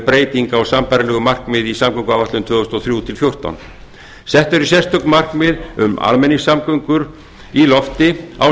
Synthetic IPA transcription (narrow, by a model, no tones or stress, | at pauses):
pɾeːjt̪iŋkaɔɣsampajɾalɛɣʏmar̥kmɪðisamkœŋkʏaːwvaht̪lʏnt̪ʰvœːðʏst̪ɔθɾjuːt̪ʰɪlfjowr̥t̪a̰wn | sɛht̪œɾisjɛrst̪œknmar̥kmɪðʏma̰lmɛnːisamkœŋkʏɾ | ilɔft̪ɪa̰w